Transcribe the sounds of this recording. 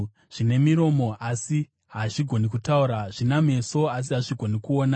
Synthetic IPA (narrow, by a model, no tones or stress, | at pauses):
ʐ̥ine̞miɾo̞mo̞ʔasi | ɦaʐiɡʱo̞nikutauɾaʐiname̞so̞as̬iɦaʐiɡʱo̞nikuoːna